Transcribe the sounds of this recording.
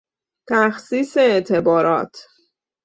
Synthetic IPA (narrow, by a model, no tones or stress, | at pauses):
t̪ʰæxsiːseːʔt̪ʰe̞bɒːɾɒ̰ːt̪ʰ